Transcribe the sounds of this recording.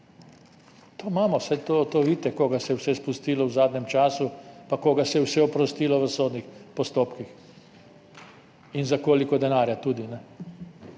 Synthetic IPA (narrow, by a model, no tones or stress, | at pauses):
t̪oːmaːmɔsɛt̪ot̪oʋiːt̪ɛkoːɡasɛjɛwsɛspust̪iːlɔwzaːd̪nʲɛmt͡ʃaːsupakoːɡasɛjɛwsɛɔpɾɔst̪iːlɔʋəsoːd̪nixpɔst̪oːpkix | inzakoːlikɔd̪ɛnaːɾjat̪uːd̪inɛ